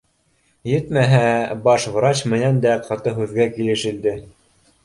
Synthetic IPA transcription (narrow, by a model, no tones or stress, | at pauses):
jɘt̪mæɦæbɑʃvɾɑt͡ɕmɘ̆nænd̪æqʰɑt̪ɤɦʉðɡækilɘ̆ʃɘ̆ld̪ɘ